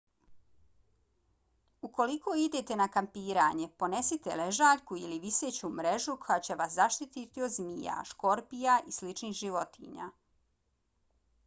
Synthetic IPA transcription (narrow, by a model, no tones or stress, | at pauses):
uko̞likoːid̪e̞t̪e̞nakampiːɾaɲe̞po̞ne̞sit̪ḛleʒaːʎkuiliʋiseːt͡ɕumɾe̞ʒukojat͡ɕeʋaszaʃt̪it̪it̪iod̪zmija̰ʃko̞ɾpijaʔislit͡ʃniːxʒiʋo̞t̪ḭɲa̰ː